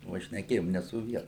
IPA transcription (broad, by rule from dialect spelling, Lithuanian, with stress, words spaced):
ʋɐ ʃʲnʲɛˈkʲeːjoːm nʲɛ sʊ ˈʋʲiɛnʊ